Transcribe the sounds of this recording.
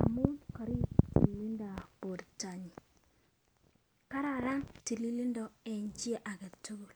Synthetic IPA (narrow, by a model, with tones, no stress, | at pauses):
a̰˨mu˦nkɔ˨ɾi˦tḭ˨lli˦nda˨po˨ɾta˨ɲi˨ | ka˦ɾa˨ɾa˦ŋti˨li˦li˦ndɔ˦ɛ˨ɲd͡ʒi˦a˦ʔa˨kɛ˨tu˦ɡu˨l